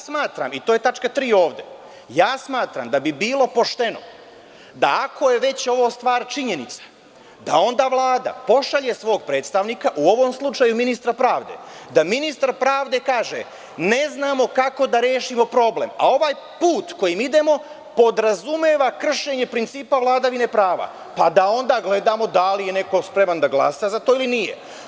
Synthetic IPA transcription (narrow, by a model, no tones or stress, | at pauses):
smaːt̪ɾa̰mit̪oːje̞t̪at͡ʃkat̪ɾiːo̞ːʋd̪e̞ | jaːsmaːt̪ɾa̰md̪abibiːlˠo̞po̞ʃt̪e̞no̞̰ | d̪a̰akʰo̞je̞ʋe̞t͡ɕo̞ʋo̞st̪ʋaːɾt͡ʃiɲe̞nit̪sḁ | d̪ao̞nd̪aːʋlˠaːd̪a̰po̞ʃaʎe̞sʋo̞ːɡ̚pɾe̞ːt̪st̪aʋniːkaʔuo̞ʋo̞mslˠut͡ʃajuminist̪ɾapɾaːʋd̪e̞̰d̪aminist̪aɾpɾaːʋd̪e̞kaːʒḛ | ne̞znaːmo̞kako̞d̪aɾjeːʃimo̞pɾo̞blḛma̰o̞ʋaːj | puːt̪ko̞jimid̪e̞mo̞ | po̞d̪ɾazumeːʋakr̩ʃe̞ɲe̞pɾint̪siːpaʋlˠaːd̪aʋine̞pɾaːʋa̰ | pad̪ao̞nd̪aːɡle̞d̪aːmo̞d̪alije̞ne̞ko̞spɾe̞mand̪aɡlˠa̰sazat̪o̞ilinijḛ